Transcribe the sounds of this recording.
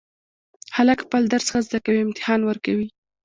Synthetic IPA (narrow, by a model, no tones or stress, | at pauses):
halakxpəld̪aɾsxazd̪akawiɪmt̪ɪ̥hɑnwəɾkawi